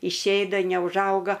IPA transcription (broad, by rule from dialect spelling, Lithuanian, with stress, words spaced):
ɪʃʲˈeːdɐ nʲɛʊʒˈɐʊɡɐ